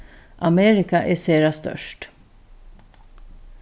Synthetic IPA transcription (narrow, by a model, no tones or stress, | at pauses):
ʔɑmeːɾɪkɑʔeːseːɾɑst̪œ̰ʃʈ